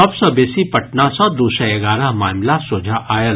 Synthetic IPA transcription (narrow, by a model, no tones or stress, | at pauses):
ɔbsɔbeːsipɐʈnasɔ̃d̪uːʃaɐɡaːɾəɦmaːmlasoːd͡ʒʱaʔaːjə